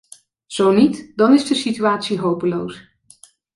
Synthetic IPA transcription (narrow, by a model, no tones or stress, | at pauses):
z̥ownitdɑnɪzdəsityaːtsiɦowpəlows